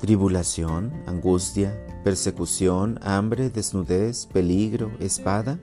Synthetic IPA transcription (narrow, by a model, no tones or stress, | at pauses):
t̪ɾiβulasjona̰ŋɡust̪ja | peɾsekusjonambɾeðeznuðespeliɣɾoʔespaða